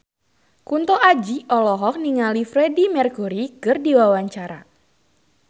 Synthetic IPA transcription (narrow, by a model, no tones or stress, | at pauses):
kunt̪ɔʔad͡ʒiʔɔlɔɦɔk̚niŋalifrɛdimɛrkuɾikɨrdiwawaɲt͡ʃaɾa